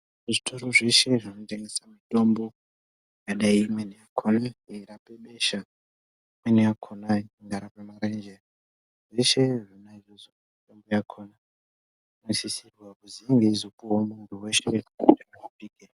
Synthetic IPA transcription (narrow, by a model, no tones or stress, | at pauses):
ʐitʰoɾoʐe̞ʃe̞ʐinote̞ŋɡe̞samito̞mbo | jaɗaiːmwenijakʰonaiɾapeɓe̞ʃa | imwenijakʰonaiŋɡaɾapemaɾend͡ʒe | ʐe̞ʃeʐinaiʐozo | mito̞mbojakʰona | nisisirwakuziŋɡeizopuɦomuntʰuwe̞ʃeaaapike